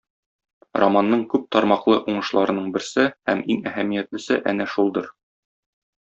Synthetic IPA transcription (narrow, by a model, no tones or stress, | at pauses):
romɑnːɤɴkʉp̚t̪ɒɾmɑqlˠɤʔuɴɤ̆ʃlˠɑɾɤ̆nɤɴbɘ̆ɾsɘhæmiŋæhæmijæt̪lɘ̆sɘʔænæʃulˠd̪ɤɾ